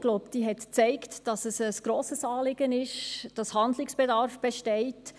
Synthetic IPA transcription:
ɡ̥loʊpd̥iːɦɛtt͡sɛɪktd̥ɑsəsəsɡ̥ɾoːsəsɑːlɪɡənɪʃd̥ɑshɑndlɪksb̥ɛdɑɾfb̥ɛʃtɛɪt

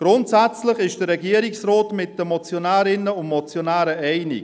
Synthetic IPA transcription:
ɡ̥ɾʊntsæt͡slɪχɪʃd̥əɾːɛɡiːəɾɪksroːtmɪt̚d̥əmɔt͡sjonɛːɾɪnəʊnmɔt͡sjonæːɾəʔɛɪnɪ̰k

